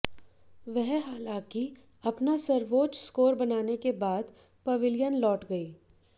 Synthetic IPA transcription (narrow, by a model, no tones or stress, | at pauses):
ʋɛɦɦaːlãːki | ɐpnasɐɾʋoːt͡ʃskoːɾbɐnaːnekebaːd̪ | pɐʋɪljənlɔːʈɡɐiː